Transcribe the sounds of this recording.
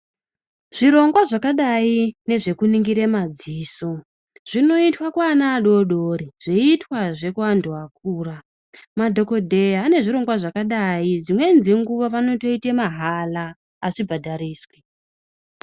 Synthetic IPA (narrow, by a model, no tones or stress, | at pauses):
ʐ̥iɾo̞ŋɡwaʐakaɗaine̞ʐe̞kuniŋɡiɾemad͡ziːso̞ | ʐ̥ino̞itwakwaːnaːɗo̞ɗoɾiʐ̥eitwaʐe̞kuandoak̚uːra | madʱo̞ko̞dʱe̞jaːne̞ʐiɾo̞ŋɡwaʐakaɗaid͡zimwe̞nziŋɡuʋaʋano̞to̞itemaɦalaː | ʂibʱadʱaɾiːswe